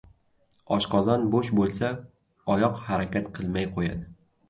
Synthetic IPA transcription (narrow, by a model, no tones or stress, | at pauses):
ɒʃqɒzanboʃbolˠsa | ɒjɒqhaɾakʲat̪qʰɨlˠmajqʰoja̰d̪ɪ